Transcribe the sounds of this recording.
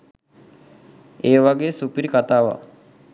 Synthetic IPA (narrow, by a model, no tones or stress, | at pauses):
eːʋaɡeːsupiɾikat̪aːʋa̰